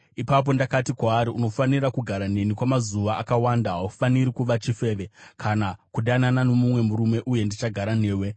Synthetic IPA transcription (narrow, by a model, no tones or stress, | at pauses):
ipap̬o̞ndakatikwaːɾiuno̞faniɾakuɡʱaɾane̞nikwamazuʋaakawandaɦaufaniɾikuʋat͡ʃife̞ːʋe̞kʰanakuɗananano̞mumwe̞muɾume̞ʔuje̞ndit͡ʃaɡʱaɾane̞ːwe̞